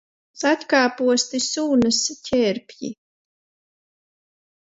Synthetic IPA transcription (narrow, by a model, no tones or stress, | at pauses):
sat̪ʲkaːpuɔsʲt̪isuːnɨscʲʰɛɾpʲjḭ